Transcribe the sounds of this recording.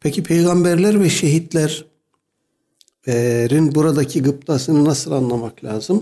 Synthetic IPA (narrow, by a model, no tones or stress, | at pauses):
pʰɛcʰipʰe̞jɡambæɾlʲæɾvɛʃe̞ɦit̪lʲæɾ | ɛɾinbuɾad̪acʰiɡɯp̚t̪ʰasɯnɯnasɯlˠanlˠamaklʲaːzɯm